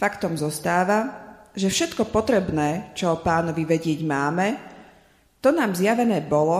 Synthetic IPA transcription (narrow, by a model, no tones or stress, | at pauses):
fakt̪ɔmzɔst̪aːʋaʒɛfʃɛt̪kɔpɔt̪ɾɛbnɛːt͡ʃɔpaːnɔʋiʋɛɟɪɛɟmaːmɛ | t̪ɔnaːmzjaʋɛnɛːbɔlɔ